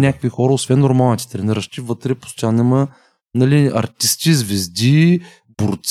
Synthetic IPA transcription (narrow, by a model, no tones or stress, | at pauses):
nʲakəkvʲixɔɾəosvɛnːoɾmalˠnit̪ɛ̥t̪ɾɛniɾəʃt̪ivɤt̪ɾɛpo̥st̪ʲanɛmə | nɐliɐ̰ɾt̪ist̪izvɛzd̪i | boɾt̪s